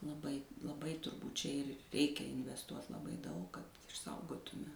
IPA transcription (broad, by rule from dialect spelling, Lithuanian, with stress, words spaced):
lˠɐˈbɐɪ lˠɐˈbɐɪ tʊrˈbuːt t͡ʃʲɛ ɪr ˈrʲɛɪkʲɛ ɪnʲʋʲɛsˈtuɔt lˠɐˈbɐɪ dɐʊk kɐt ɪʃˈsɐʊɡoːtʊmʲɛ